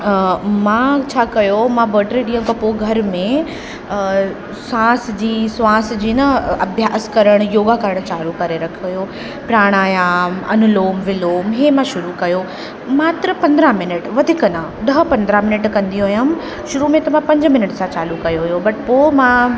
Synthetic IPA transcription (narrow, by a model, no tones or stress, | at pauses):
mãt͡ɕʰaːkɐjomãbəːʈɾiɗĩɦə̃mkɐpoɡʱɐɾmẽ | sãːsd͡ʑiːsʋãːs̆d͡ʑiːnɐɐbʱjaːskɐɾəɽ̃joːɡakɐɾəɽ̃t͡ɕaːlukɐɾeɾɐkʰioɦjo | pɾaːɽ̃aːjaːmɐ̰nʊloːmʋɪloːmɦeːmãʃʊɾukɐjo | maːt̪ɾəpɐ̃nd̪ɾãmɪnəʈʋɐd̪ʱɪkənã | ɗɐɦpɐ̃nd̪ɾamɪnəʈkɐ̃nd̪ijuɦojam | ʃʊɾumẽt̪ɐʋãpɐ̃ɲd͡ʑmɪnəʈsãt͡ɕaːlukɐjoɦujobɐʈpomã